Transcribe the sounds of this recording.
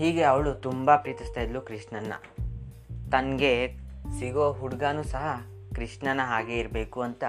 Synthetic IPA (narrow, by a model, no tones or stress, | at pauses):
ɦhiːɡe̞ɐʋɭut̪umbɐpɾiːt̪ist̪aːjid̪lukɾiʂʈɳɐnːɐ̰ | t̪ɐŋɡe̞siɡoːɦuɽɡaːnusɐɦɐ | kɾiʂʈɳɐnːɐɦaːɡe̞iɾbeːkuɐnt̪ɐ